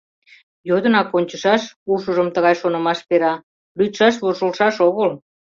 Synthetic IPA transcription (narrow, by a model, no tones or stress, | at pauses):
jod̪ənɑkonʲt͡ɕəʃɑʃuʃəʒəmt̪əɣɑjʃonə̆mɑʃpeɾɑ | lyt̪ʃɑʃ̬βoʃəlʃɑʃoɣəl